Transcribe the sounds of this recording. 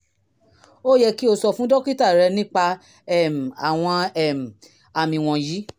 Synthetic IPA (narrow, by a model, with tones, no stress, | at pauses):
o˦jɛ˧ki˦o˧sɔ˧fũ˦dɔ˦ki˦ta˦˨ɾɛ˧nĩ˦k͡pa˧ | ɛ˦˨m̩˨a˨w̃ɔ̃˧ɛ˦˨m̩˨ | a˨mĩ˧w̃ɔ̃˧ji˨˦